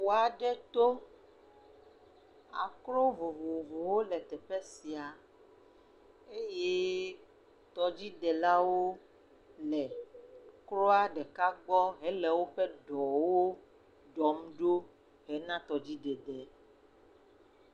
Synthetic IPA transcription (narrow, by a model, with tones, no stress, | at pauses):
o˨a˨ɖɛ˦t̪o˦ | a̰˨klo˦vo˨vo˨vo˨wo˦lɛ˨t̪ɛ˨ɸɛ˦si˨a˨ | e˦je˦ | t̪ɔ˨d͡ʑi˦d̪ɛ˨la˦wo˦ | lɛ˨ | klo˦a˦ɖɛ˨ka˦ɡ͡bɔ˦ɦɛ˦lɛ˨wo˦ɸɛ˦ɖɔ˨wo˦ | ɖɔ˨mɖo˦ | ɦɛ˨nã˦t̪ɔ˨d͡ʑi˦ɖɛ˨d̪ɛ˨